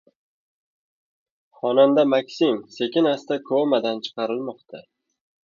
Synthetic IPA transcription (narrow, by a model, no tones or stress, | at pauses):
χɒnand̪amakʲsimse̞kʲɪnast̪akʰomad̪ant͡ʃʰɨ̥qʰɑɾɪlmɒqt̪ʰa